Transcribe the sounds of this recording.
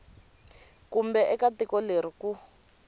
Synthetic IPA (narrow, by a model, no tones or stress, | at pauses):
kumbɛʔɛkatikɔleɾ̤iku